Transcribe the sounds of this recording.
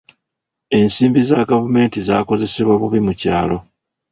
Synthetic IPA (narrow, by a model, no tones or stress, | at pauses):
e̞nsiːmbizaɡavume̞ːntizaːko̞ze̞se̞βwaβuβimucaːlo̞